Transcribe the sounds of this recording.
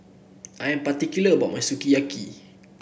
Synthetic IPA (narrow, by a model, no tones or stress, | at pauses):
ʔaɛ̃npat̪ikuləba̰ʔ̚mãjsukijaki